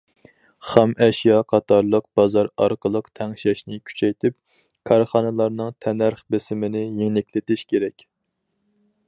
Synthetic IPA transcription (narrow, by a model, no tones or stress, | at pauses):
χɑmʔɛʃjɑqʰɑt̪ʰɑɾlˠəq̚b̥ɑzɑɾɑɾqəlˠəqt̪ʰɛŋʃɛʃnɪkʲʰy̥t͡ʃʰɛjt̪ʰɪp̚ | kʰɑɾχɑnɨlˠɑɾnɨŋt̪ʰɛnæɾχbɪsɪmɪnɪjeŋnɪkʲlɪt̪ɪʃkʲʰeɾɛkʲ